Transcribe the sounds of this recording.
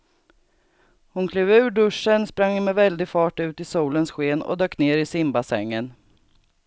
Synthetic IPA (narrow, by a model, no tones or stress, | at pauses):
hʊnkʰløːvʉ̟ːɖɵʂːənspɾaŋːhʊnmɛvɛld̪ɪɡfɑːʈʉ̟ːt̪ɪsuːlənsɧeːnɔ̰d̪øːkneːɾɪsɪmbasɛ̰ŋːən